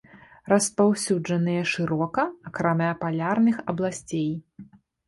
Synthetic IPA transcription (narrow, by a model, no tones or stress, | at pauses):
rɐspawsʲud͡ʐɐnɨjɐʂɨɾɔkɐːkɾamʲɛɐpalʲarnɨxɐblˠasʲt͡sʲej